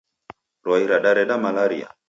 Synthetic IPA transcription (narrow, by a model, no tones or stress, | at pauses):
ɾwaiɾaɗaɾɛɗamalaɾia̰